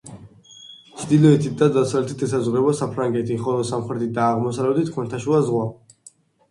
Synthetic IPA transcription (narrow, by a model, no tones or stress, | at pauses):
t͡ʃʰd̪ilɔɛt̪ʰit̪̚d̪ad̪asavlɛt̪ʰit̪ʰɛsazʁɾɛbɔsapʰɾaŋɡɛt̪ʰiχɔlˠɔsamχɛt̪ʰit̪̚d̪aːʁmɔsavlɛbd̪it̪ʰkʰɔnt̪ʰaʃulazʁwa